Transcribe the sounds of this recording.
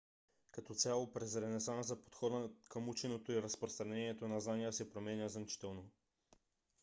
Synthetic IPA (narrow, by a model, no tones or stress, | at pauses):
kɐt̪ɔt̪sʲalˠopɾɛzɾɛnɛsanəzɐpo̥t̪xɔd̪əkəmut͡ʃɛnot̪oiɾəspɾost̪ɾɐnɛniɛt̪onɐznanijəsɛpɾomɛnʲəzmt͡ʃi̥t̪ɛlˠno